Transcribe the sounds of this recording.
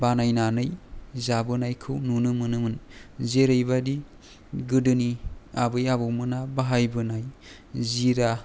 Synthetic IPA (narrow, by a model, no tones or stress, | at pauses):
banajnanɯjzabɯnajkʰɯwnunɯmɯnɯmɯnzeɾɯjbadi | ɡɯdɯniabɯjabɯwmɯnabaɦajbɯnaj | ziɾa